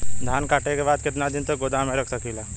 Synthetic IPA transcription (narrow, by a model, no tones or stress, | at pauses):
d̪ʱaːnkaːʈekebaːd̪̚kɪt̪nad̪ɪnt̪oɡod̪amẽɾəkʰsɐkʰilaː